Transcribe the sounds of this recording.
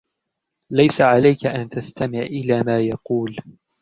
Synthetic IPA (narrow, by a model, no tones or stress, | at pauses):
lajsaʕalajkaʔant̪ast̪amɪʕʔɪlaːmaːjɑquːl